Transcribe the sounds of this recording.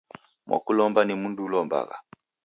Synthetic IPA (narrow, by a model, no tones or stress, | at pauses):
mwa̰kulɔmbanimundulɔmba̰ɣa̰